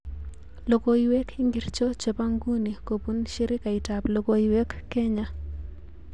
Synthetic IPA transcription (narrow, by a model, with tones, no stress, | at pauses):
lo˨ko˨iwe˦kʰi˦ŋɡi˨rt͡ʃo˦t͡ʃe˨pa˦ŋɡu˦ni˨ko˨pu˦nʃɪ˦ɾɪ˦ka˨ɪ˨ta˨plo˨ko˦iwɛ˦kːe˦ɲa˦